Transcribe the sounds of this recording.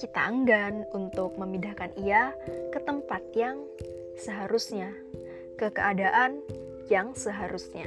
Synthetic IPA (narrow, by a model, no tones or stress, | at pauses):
kit̪a̰əŋɡanunt̪ʊk̚məmidahkaniakət̪əmpat̪̚jaŋ | səɦaɾusɲa | kəkəadaʔan | jaŋsəɦaɾusɲa̰